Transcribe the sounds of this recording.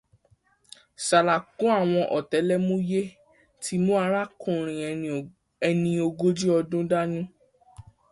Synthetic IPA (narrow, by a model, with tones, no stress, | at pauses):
sa˨la˨kũ˨˦a˦˨w̃ɔ̃˧ʔɔ˨tɛ˨˦lɛ˦mũ˦je˦ | tʰi˦mũ˦a˧˦ɾa˦kũ˦˨ɾ̃ĩ˨ | ɛ˧nĩ˧o˧ɡo˦d͡ʒi˦ɔ˧dũ˦da˦nũ˦